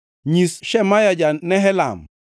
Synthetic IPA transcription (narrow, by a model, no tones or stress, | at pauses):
ɲisʃɛmajad͡ʒanɛɦɛla̰m